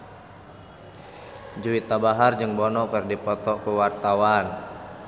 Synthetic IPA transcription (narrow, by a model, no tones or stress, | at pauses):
d͡ʒuwit̪abaɦard͡ʒɨŋbɔnɔkɨrdipɔt̪ɔkuwart̪awan